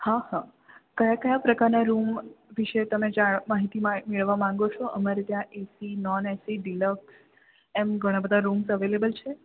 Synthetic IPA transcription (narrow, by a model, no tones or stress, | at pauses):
hahã | kəjakəjapɾəkaɾnaɾumʋiʃet̪əmed͡ʒaɭmaɦit̪imãmeɭəʋamãŋɡot͡ʃʰoʔəmaɾet̪jãʔesinɔnesiɖiləks | emɡʱəɽ̃ãbəd̪ʱaɾumsəʋelebəlt͡ʃʰe